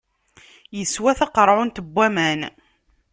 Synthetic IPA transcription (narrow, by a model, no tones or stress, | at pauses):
jəswæθɑqəɾˤʕʊnt̪əbʷːæmæn